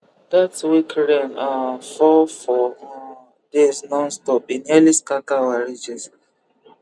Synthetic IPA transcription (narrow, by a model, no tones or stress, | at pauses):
datswikɹẽnafɔfɔ | desnɔ̃nstɔpĩnɛliskakawaɹid͡ʒɛs